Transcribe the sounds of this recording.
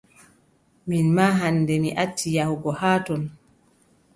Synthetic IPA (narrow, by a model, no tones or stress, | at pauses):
minmaːɦanːdɛmiʔatʰːijahɡɔhaːtɔn